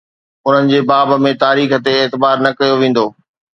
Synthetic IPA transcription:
ʊn̤ənɪ̆d͡ʑeːbaːb̆mẽt̪aːɾiːxət̪eːt̪ɪbaːɾnɐkɐjoʋẽːn̆d̪oː

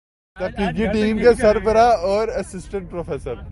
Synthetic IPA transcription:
t̪ɐkiɡiʈiːmkesɐɾbəɾaɔːɾɐsɪsʈə̃ɳʈ̚pɾoːfʰeːsəɾ

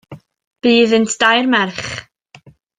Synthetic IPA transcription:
b̥iːðəntʰd̥ajrmɛrχ

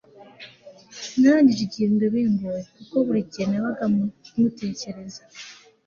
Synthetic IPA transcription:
nandiɾiɟiːndoβiːmbuɾekukoβuɾiɟienaβaɡamute̞ːce̞ɾe̞za

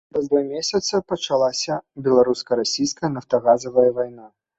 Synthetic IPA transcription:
pɾɐzd̪vamʲesʲɐt̪sɐpɐt͡ʂalˠasʲɐbʲɛlˠaɾuskɐɾasʲijskɐjɐnɐft̪ɐɣazɐvɐjɐvajna

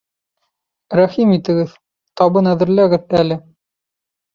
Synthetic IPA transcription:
ɾæχimit̪ɘ̆ɡɘð | t̪ɑbɤnæðɘ̆ɾlæɡɘðælɘ

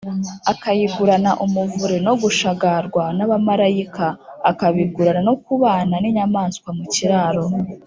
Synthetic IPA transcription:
akajiɡuɾanaʔumuvuɾeno̞ɡuʃaɡaɾɡwanaβamaɾajikaːkaβiɡuɾananokuβaːnaniɲamaːnskwamuciɾaːɾo̞

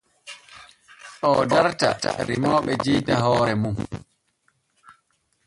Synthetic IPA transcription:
ɗɔdaɾta̰ta̰ɾimɔːɓɛd͡ʒiːtaɦɔːɾɛmum

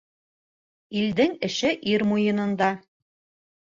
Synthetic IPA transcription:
ild̪ɘŋɘ̆ʃɘʔiɾmujɤ̆nɤ̆nd̪ɑ

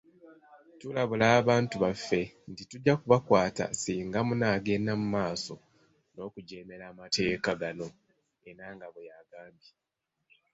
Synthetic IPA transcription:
tulaβulaːβaːntuβafːe̞ | ntituɟːakuβakwaːta̰siːŋɡamunaːɡe̞namumaːso̞ | no̞ːkuɟe̞ːme̞ɾaːmate̞ːkaɡano̞ | e̞ɾaŋɡaβejaɡaːmbji

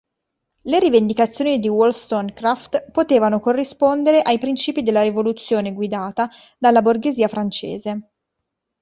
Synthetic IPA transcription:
leɾivend̪ikat̪sːjoːnid̪iwolst̪oŋkɾaft̪pot̪eːvanokorːispond̪eɾeʔajpɾint͡ʃiːpid̪elːaɾivolut̪sːjoːneɡwid̪aːt̪a | d̪alːaborɡeziːafɾant͡ʃḛːze

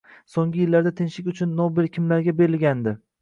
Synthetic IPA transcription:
soŋɡʲɪjɪlːaɾd̪at̪ʰɪnʃɪkʲʊt͡ʃʰʊnːɒbɪlkʲʰɪmlaɾɡʲabe̞ɾɪlɡʲand̪ɪ

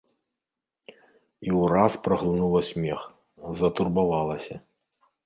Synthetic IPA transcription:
iwraspɾɐɣlˠɨnulˠɐsʲmʲɛx | zɐt̪urbavalˠɐsʲɐ

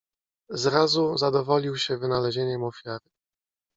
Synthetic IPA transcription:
zɾazuzad̪ɔvɔlʲiwɕɛvɘnalɛʑeɲɛmɔfʲjaɾɘ

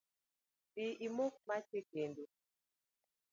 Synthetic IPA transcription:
biʔimok̚mat͡ʃekendu

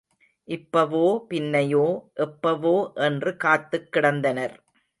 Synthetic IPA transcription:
ʔɪpːɐʋoːpɪnːɐjoːʔɛpːɐʋoːʔɛndrɯkaːt̪ːɯkːɪɽɐnd̪ɐnɐɾ

